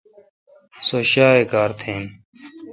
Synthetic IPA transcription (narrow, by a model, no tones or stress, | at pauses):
soɕaːeːkaːɾt̪ʰẽːn